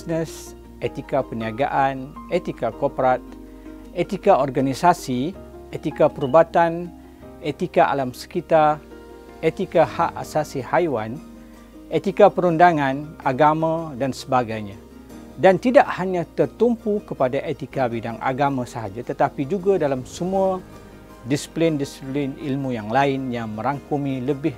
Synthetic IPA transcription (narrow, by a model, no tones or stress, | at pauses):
snəs | ʔet̪ikapəniaɡa̰ʔanet̪ikakopɾat̪̚ | et̪ikaɔrɡanisasi | et̪ikapəɾubat̪an | et̪ikaʔa̰lamsə̥kit̪ar | et̪ikahaʔasasihajwan | et̪ikapəɾundaŋãnaɡamãdansəbaɡajɲã | dant̪idaʔhaɲãt̪ərt̪umpukəpadaʔet̪ikabidaŋʔa̰ɡamãsəɦad͡ʒat̪ət̪apid͡ʒuɡadalamsəmua | disi̥plindisiplɪnilmujaŋlaɪnjaŋmə̃ɾaŋkumiləbɪh